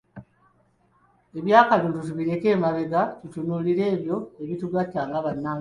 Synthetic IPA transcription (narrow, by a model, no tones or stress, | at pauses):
e̞βjaːkaβiːntutuβiɾe̞ke̞ːmaβe̞ɡatutunuːliɾe̞ːβjo̞e̞βituɡatːaːŋɡaβanːa